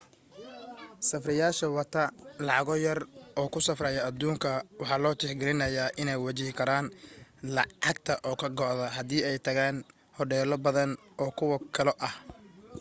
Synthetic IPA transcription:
sɐfrɪjaːʃɐwɐt̪ʰɐlɑʕɑɣɔːjɐrʔɔːkʰʊsɐfrɛjɐɐd̪uːŋkʰɐwɑħɑːlɔːt͡ʃɪħɡɪɾɪnɐjaːʔɪnɛjwɐt͡ʃɪhɪkʰɐɾaːnlɑ̰ɑɡt̪ʰɐʔɔːkʰɐɡɔʔðɐɦɐðiːɛjt̪ʰɐɣaːn | hɔɖɛːlɔbɐðɐn | ʔɔːkʰʊwɐkʰɐlɔʔɐh

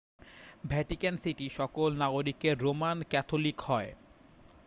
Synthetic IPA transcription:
bʱɛʈikensiʈiʃɔkolnaɡoɾikeɾomankɛt̪ʰolikhɔe

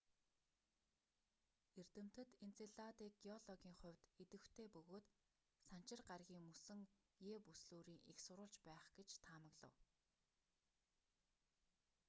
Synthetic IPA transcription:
er̥t̪ɘ̆m̥t̪ɘ̆t̪ent͡seɮat̪iːkɡiɔɮɔɣʲiːŋχʊ̟wʲt̪et̪ɘ̆xt̪ʰeːpɵɣoːt̪ | san̥t͡ɕɪ̆rɢarɣʲiːŋmusɘ̆ŋ | jeːpusɮoːɾiːŋixsʊɾʊːɬt͡ɕpæːχɡet͡ɕt̪ʰaːmə̆ɣɮə̰̆w

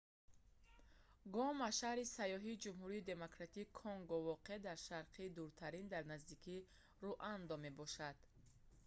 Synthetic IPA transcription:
ɡɔmaʃahɾisajɔɦid͡ʒumɦuɾiːd̪e̞mokɾat̪iːkʰɔŋɡɔvɔqed̪aɾʃaɾqʰid̪uɾt̪ʰaɾind̪aɾnazd̪ikʰi | ruʔand̪ɔme̞bɔʃad̪̥

